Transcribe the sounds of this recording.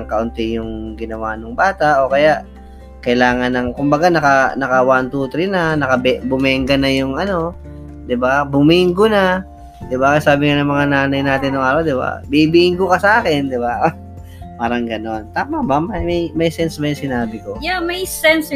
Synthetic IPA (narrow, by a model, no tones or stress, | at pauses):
ɐŋkɐʔʊnt̪ɪjʊŋɡɪnɐwanʊŋbaːt̪aʔo̞kɐjaʔ | kɐɪlaːŋɐnɐŋkʊmbɐɡanɐkɐnɐkɐwant̪uːt̪ɾɪnanɐkɐbbʊmɛŋɡɐnɐjʊŋɐno̞ | d̪ɪbabʊmiŋɡona | d̪ɪbakɐsaːbɪŋanɐŋmɐŋanaːnɐjnaːt̪ɪnːʊŋaːɾawd̪ɪba̰bibiʔɪŋɡʊkɐsɐʔaːkɛnd̪ɪba | paːɾɐŋɡɐno̞nt̪aːmɐbamɐjmɐjmɐjsɛnsmɐjsɪnaːbɪkojamɐjsɛns